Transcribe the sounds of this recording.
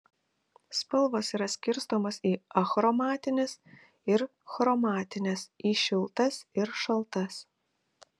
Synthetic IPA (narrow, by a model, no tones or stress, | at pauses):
spɐlˠʋosiːɾɐsʲkʲɪɾst̪oːmosiːɐxɾɔmɑːt̪ʲɪnʲɛs | ɪɾ | xɾɔmɑːt̪ʲɪnʲɛsiːʃʲɪlˠt̪ɐsɪɾʃɐlˠt̪ɐs